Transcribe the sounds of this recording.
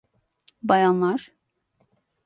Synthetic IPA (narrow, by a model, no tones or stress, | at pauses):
bajɑnlˠaɾ̥